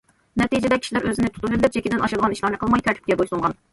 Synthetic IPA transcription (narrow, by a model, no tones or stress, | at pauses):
nɛt̪id͡ʒɛd̪ɛkʲʰi̥ʃilæɾʔøzɪnɪt̪ʰu̥t̪ʰulɪlːɪp̚d͡ʒekʲid̪ɪnɑʃɑd̪əʁɑniʃlˠɑɾnɨqʰəlˠmɑjkʲʰɛɾt̪ʰɪ̥pkʲɛbojsulˠʁɑn